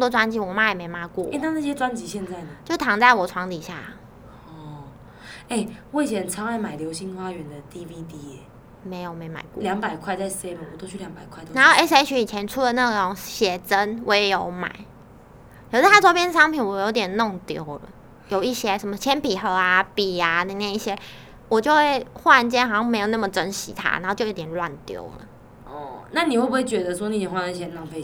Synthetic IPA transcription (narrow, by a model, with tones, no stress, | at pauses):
t̪wɔ˥t͡swa˥nt͡ɕi˧˥˩wɔ˨˩ma˥jɛ˨˩me˧˥ɪma˧˥kwɔ̰˥˨e˥˧na˥˧na˥˩ɕjɛ˥t͡swa˥˦nt͡ɕi˧˥˦ɕjɛ˥˧nt͡sa˥˩ɪnə˩t͡ɕjo˥˩ʊt̪ʰɑ˧˥ŋt͡sa˥˩ɪwɔ˨˩ʈ͡ʂʰwɑ˧˥ŋt̪i˨˩ɕja̰˥˩ | ɔ˥˩ | e˥˩ɪwe˥˩ɪi˨ɕjɛ˧˥nt͡sʰɑ˥ŋa˥˩ɪma˨˩ɪljo˧˥ʊɕi˧˥nxwa˦˥ɥɛ˧˥nd̪ə˧t̪i˥˧vi˧t̪i˧˥ɛ˨˩ | me˧˥ɪjo˨˩ʊme˧˥ɪma̰˨˩ɪkwɔ̰˥˨ljɑ˧˥ŋpa˨˩ɪkʰwa˥˧ɪt͡sa˥˩ɪse˥ɪmə˨nwɔ˨˩t̪o˥ʊt͡ɕʰy˧˥ljɑ˧˥ŋpa˨˩ɪkʰwt̪o˧˥na˧˦xo˥˧ɛ˥s̬e˥ɪt͡ɕʰy˧˥i˨˩t͡ɕʰjɛ˧˦nʈ͡ʂʰu˥˩lə˨na˥˩ɡə˨˩ʈ͡ʂo˧˥ŋɕjɛ˨˩t͡sə˦nwʔɔ˧˦jɛ˨˩jo˧˥ʊma̰˨˩˦ɪ | jo˨˩t͡sa˥ɪ˥˩wɔ˥pjɛ˥nə˨˩ʂɑ˥ŋpʰi˨˩nwɔ˨˩˨jo˧˥ʊt̪jɛ˨˩nno˥˩ŋt̪jo˨˩ʊlə̰˨˩ | jo˨˩ʊi˥˩ɕjɛ˥ʂə˨˦nmə˧t͡ɕʰjɛ˥npi˨˩xɤ˧˥a˧pi˨˩a˦nə˨˩na˥˧˩i˥˩ɕjɛ˥ | wɔ˨˩t͡ɕjo˥˧ʊxwe˥˩ɪxwa˥˧nt͡ɕjɛ˥nxa˨˩ɕjɑ˥˩me˧˥ɪo˨˩na˥˩mə˨˩ʈ͡ʂə˦nɕḭ˧˥t̪ʰa̰˥n˨˧˦ho˥˧˩t͡ɕo˥˧jo˧˥t̪jɛ˨˩nlwa̰˥˨nt̪jo̰˨˩ʊlə̰˩ | ɔ˩na˥˨ni˨xwe˥˩bu˨˩we˥˩ɪt͡ɕɥɛ˧˥d̪ə˧swɔ˥ni˨˥jɛ˨˩wa˧˨a˥˩˥ɕjɛ˧na˥˩ŋpʰe˧˨